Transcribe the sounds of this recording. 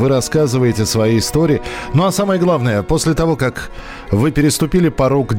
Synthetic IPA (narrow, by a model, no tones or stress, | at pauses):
vɨɾɐskazɨvəjɪtʲɪəsvɐjejɪst̪o̞ɾʲɪːnoɐsaməjəɡlˠavnəjəpo̞sʲlʲɪt̪ɐvo̞kak | vɨpʲɪɾʲɪst̪ʊpʲilʲɪpɐɾukʲ